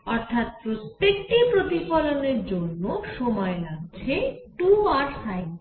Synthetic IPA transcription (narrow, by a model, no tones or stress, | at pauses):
ɔɾt̪ʰat̪̚pɾot̪ːek̚ʈipɾot̪ipɔloneɾd͡ʑonːoʃɔmɔelaɡ̚t͡ɕʰeʈuaɾsajb